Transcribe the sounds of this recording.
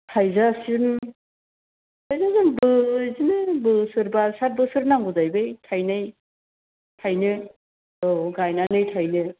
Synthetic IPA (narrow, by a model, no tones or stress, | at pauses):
tʰajzasɯn | tʰajzazɯnbɯzinɯbɯsɯɾbasat̚bɯsɯɾnaŋɡɯzajbɯjtʰajnɯj | tʰajnɯ | oɡajnanɯjtʰajnɯ